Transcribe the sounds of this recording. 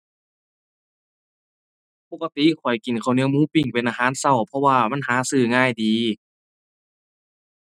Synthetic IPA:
po˧˩ka˧t̪i˧˨kʰɔ˨˩jki˨˩nkʰa˧˩wni˧˨wmuː˧˥˨pi˧˩ŋpe˨nʔaː˧ɦaː˨˦˨nsa˧˩wpʰɔ˧waː˧˩ma˧˥˨nhaː˨˦sɯː˧˩ŋaː˧˥˨jdiː˨˧˦

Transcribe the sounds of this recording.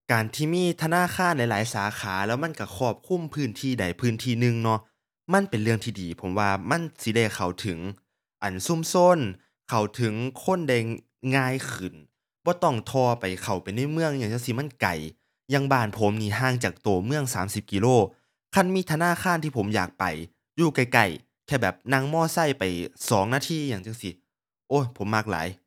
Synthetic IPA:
kaː˨˩nt̪ʰiː˧˩miː˧˥˨t̪ʰa˧naː˧˥˨xʰaː˧˥˨nla˧˥jlaː˨˦jsaː˨˦xʰaː˨˦lɛː˧˥˩wma˧˥˨nka˧˩kʰɔː˧˩p̚kʰu˧˥˨mpʰɯː˧˥˨nt̪ʰiː˧˩da˨˩jpʰɯː˧˥˨nt̪ʰiː˧˩nɯ˧ŋnɔ˧˥ | ma˧˥˨npe˨nlɯ˧əŋt̪ʰiː˧diː˨˩pʰo˨˩˦mwaː˧ma˧˥˨nsi˧˦da˧˩jkʰa˨˩wt̪ʰɯ˨˦ŋ | ʔa˨˩nsu˧˥˨mso˧˥˨n | kʰa˨˩wt̪ʰɯ˨˦ŋkʰo˧˥˨nda˧˩j | ŋaː˧˥˨jkʰɯ˨˩n | bɔː˧˦t̪ɔ˧˩ŋt̪ʰɔː˧pa˨˩jkʰa˨˩wpa˨jna˧˥˨jmɯ˧˨əŋjaː˧˩ŋt͡ɕa˧ŋsi˧˦ma˧˥˨nka̰˨˩j | ja˧ŋbaː˧˩˨npʰo˨˦mniː˧˩ɦaː˧˩˨ŋt͡ɕaː˨˩k̚t̪oː˨˩mɯ˧˨əŋsaː˨˦msi˧˦p̚ki˧loː˧˩ | kʰa˧˥˨nmiː˧˥˨t̪ʰa˧naː˧˥˨xʰaː˧˥˨nt̪ʰiː˧˩pʰo˩˨˦mjaː˨˩k̚pa̰˨˩j | juː˧˩ka˧˩jka˨˩j | kʰɛː˧˩bɛː˨˩p̚na˧˥˨ŋmɔː˧˩˨sa˧˥˩jpa˨˩jsɔː˨˦ŋnaː˧t̪ʰiː˧˥˨jaː˧˩ŋt͡ɕa˧ŋsi˧˩ | ʔoː˧˩˨pʰo˨˦mːa˧˥k̚la̰ː˨˦j

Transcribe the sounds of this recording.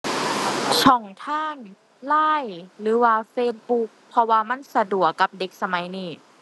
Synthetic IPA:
t͡ɕʰɔ˧˩ŋt̪ʰaː˧˥˩ŋ | laː˧˥˩jɾɯː˨˩˦waː˧feː˧t̪̚bu˧˦˥k̚pʰɔ˧waː˧ma˧˥˨nsa˧du˨˩əkːa˧˦p̚de˧˦k̚sa˧ma˨˦jniː˧˩

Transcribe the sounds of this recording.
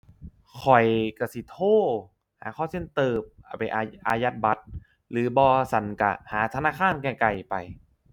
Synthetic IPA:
kʰɔ˨˩jka˧˩si˨˦t̪ʰoː˥˩ | haː˨˩˦kʰɔː˧˥˩se˧˥˩nt̪ɤː˧˩p̚ʔa˧˨˩pa˧˨jʔa˧ʔa̰ː˧ja˧˥t̪̚ba˧˦t̪̚ | lɯː˨˩˦bɔː˧sa˨˦nka̰˧˩haː˩˦t̪ʰa˧naː˧˥˩kʰaː˧˥˨nkɛː˧˩ka˨˩jpa˧j

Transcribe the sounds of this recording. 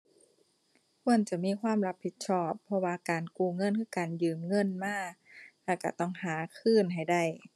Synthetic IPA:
kʰu˧˥˩ənt͡ɕa˧˩miː˧˥˨kʰwaː˧˥˨mɾa˧˦˥pʰːi˧˥t̪̚t͡ɕʰɔː˧˩pʰːɔ˧waː˧kaː˨˩nkuː˧˩ŋɤ˧˥˨nkʰɯː˧˥˩kaː˨˩njɯː˨˩mŋɤ˧˥˨nmaː˧˥˩la˧˩ka̰˧˩t̪ɔ˧˥˩ŋhaː˨˩˦kʰɯː˧˥˨nɦa˨˩jda˧˩j

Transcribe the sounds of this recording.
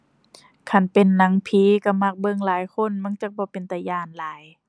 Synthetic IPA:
kʰa˧˩npe˨nːa˨˦ŋpʰiː˨˦ka˧˩ma˧˩k̚bɤ˧˨ŋlaː˨˦jkʰo˧˥˨nma˧˥˨ŋt͡ɕa˧˥k̚bɔː˧˦pe˨nt̪a˧˩jaː˧˩˨nlaː˨˦j

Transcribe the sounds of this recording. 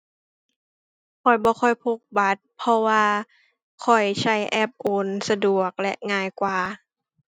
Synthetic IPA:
kʰɔ˨˩jbɔː˧˦xʰɔ˧˩jpʰo˧˩k̚ba˧˦t̪̚pʰɔ˧waː˧ | kʰɔ˨˩jsʰa˧˩jʔɛ˧˥˩p̚ʔoː˨˧˦nsa˧du˨˩ək̚lɛ̰˧ʔŋaː˧˩˨jkwaː˨˩

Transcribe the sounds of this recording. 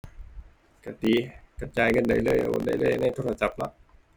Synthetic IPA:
ka˧˩t̪iː˨˦ka˧˩t͡ɕaː˧jŋɤ˧˥˨nda˨˧˦jlɤː˧˩jʔo̰ː˨˧˩nda̰˨˧˩jlɤː˧˩˨jna˧˥˩jt̪ʰoː˧˥˩la˧t͡ɕa˨˧˦p̚nɔ̰˧˥

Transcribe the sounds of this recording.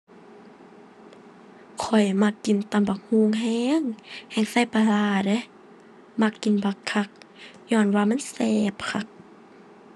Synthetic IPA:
kʰɔ˨˩jma˧kːi˨nt̪a˧˨mba˨˩k̚huː˧˩˨ŋɦɛː˧˥ŋhɛː˧˩ŋsa˧˥˨jpa˧laː˧de˧˦ | ma˧˩kːi˨nba˧kʰːa˧˩k̚ɲɔː˧˩˨nwaː˧ma˧˥˨nsɛː˧p̚kʰa˧˩k̚

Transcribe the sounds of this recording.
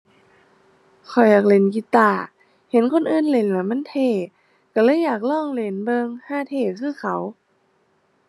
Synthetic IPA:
kʰɔ˨˩jːaː˨˩k̚le˨˧˦nki˧˦t̪aː˧˩ | he˨˦nkʰo˧˥˨nʔɯː˧˨nle˨˧˦nlaː˧˩ma˧˥˨nt̪ʰeː˧˩ | ka˧˩lɤː˧˥˨jːaː˨˩k̚lɔː˧˥˩ŋle˨˧˦nbɤː˧ŋhaː˧˥˩t̪ʰeː˧˩kʰɯː˧˩˨kʰa˨˦w

